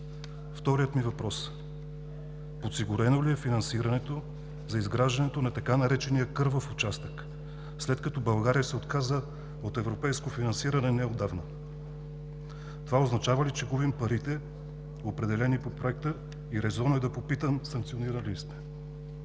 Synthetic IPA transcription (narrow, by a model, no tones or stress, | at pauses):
ft̪ɔɾijət̪mivɐpɾɔs | pot̪siɡʊɾɛnoliɛfinɐnsiɾɐnɛt̪o | zɐizɡɾaʒd̪ɐnɛt̪onɐt̪ɐkanɐɾɛt͡ʃɛnijəkɤɾvəfot͡ʃast̪ək | slɛt̪kɐt̪ɔbɐlˠɡaɾijəsɛot̪kazə | ot̪ɛvɾopɛjskofinɐnsiɾɐnɛnɛod̪avnə | t̪ovaoznɐt͡ʃavəlit͡ʃɛɡubimpɐɾit̪ɛ | opɾɛd̪ɛlɛnipopɾoɛk̚t̪ə | iɾɛzɔnoɛd̪ɐpopit̪əmsɐŋk̪̚sioniɾəlist̪ɛ̥